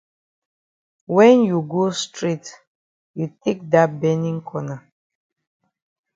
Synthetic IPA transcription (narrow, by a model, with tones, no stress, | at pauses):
wɛ̃˦nju˨ɡo˦stɹi˦t | ju˨tʰe˦k̚da˦t̚bɛ˦nĩ˦ŋkʰɔ˦na˨